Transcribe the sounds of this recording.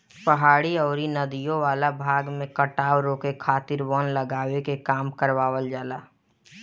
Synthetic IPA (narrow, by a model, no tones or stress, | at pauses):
pəɦaːɽiəːɾinəd̪ijõʋaːlabʱaːɡmẽkəʈaːwɾoːkekʰaːt̪ɪɾwɔːnləɡaːwekekaːmkəɾʋaːwəld͡ʒaːlaː